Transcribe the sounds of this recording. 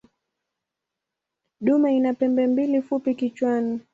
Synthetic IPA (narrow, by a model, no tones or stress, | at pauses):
ɗumainapɛmbɛmbilifupikit͡ʃwani